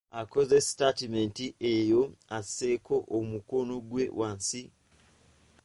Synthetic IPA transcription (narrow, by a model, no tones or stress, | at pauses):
ako̞ze̞statimentiʔejo̞aseko̞ʔomukonoɡwe̞wʔaːnsi